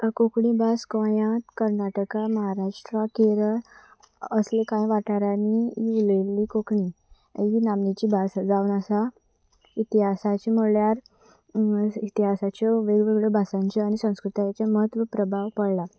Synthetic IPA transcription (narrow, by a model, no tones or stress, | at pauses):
kokɳibaskə̃jãt̪kəɾnaʈəkaməɦaɾaʂʈɾakeɾə | əslekãjʋaʈaɾaniiulelːikokɳi | inamnit͡ɕiːbʱasd͡zaunasa | it̪iɦasat͡ɕimoɭjaɾ | it̪iɦasat͡ɕɔʋeɡʋeɡɭɔbʱasãɲt͡ɕɔañisə̃w̃skɾut̪at͡ɕaməɦət̪ʋəpɾəbʱaʋpəɽla